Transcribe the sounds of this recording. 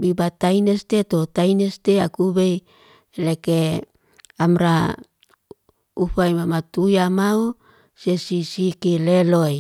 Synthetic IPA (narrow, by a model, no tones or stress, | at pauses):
bibat̪ajnest̪et̪ot̪ainest̪eakubej | leke | amɾa | uɸajmamat̪ujamau | sesisikileloj